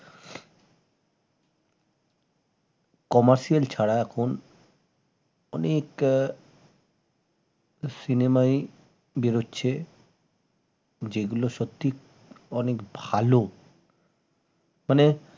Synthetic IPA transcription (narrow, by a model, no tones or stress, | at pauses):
kɔmaɾʃialt͡ɕʰaɽaɛkʰon | ɔnek | sinemaj | beɾotːɕʰe | d͡ʑeɡuloʃot̪ːi | ɔnekbʱalo | mane